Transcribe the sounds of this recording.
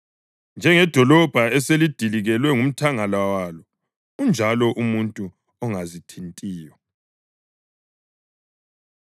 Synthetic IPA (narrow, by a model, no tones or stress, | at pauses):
nd͡ʒʱɛŋɛd̥ʱɔlɔb̥ʱaɛselid̥ʱiliɣɛlwɛŋum̩tʰaŋalawalɔ | und͡ʒʱalɔʔumuntʼu | ɔŋazitʰintʼiːjɔ